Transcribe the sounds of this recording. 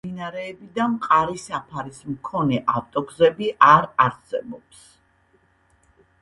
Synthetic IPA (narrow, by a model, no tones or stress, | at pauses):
inaɾɛːbid̪amqʼaɾisapʰaɾismkʰɔnɛʔaft̪ʼɔɡzɛbiʔaɾaɾsɛbɔps